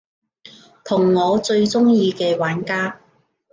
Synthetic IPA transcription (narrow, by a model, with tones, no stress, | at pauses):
t̪ʰʊ˨˩ŋːɔː˨˧t͡sɵ˧ɥt͡sʊ˥ŋjiː˧kɛː˧waː˨˥nkaː˥